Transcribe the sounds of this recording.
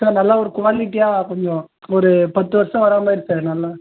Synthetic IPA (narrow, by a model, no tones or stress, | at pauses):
saːɾnɐlːaːɔɾɯkʊʋaːlɪʈːɪjaːkɔɲd͡ʒɔ̃ | ɔɾɯpɐt̪ːɯʋɐɾɐsɐ̃ʋɐɾaːmaːɪɾɯt̪ːanɐlːaː